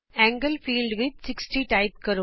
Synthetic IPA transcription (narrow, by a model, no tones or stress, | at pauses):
æ̃ːŋɡəlfiːlɖʋɪd̪̚sɪksʈiʈaɪp̚kɐɾo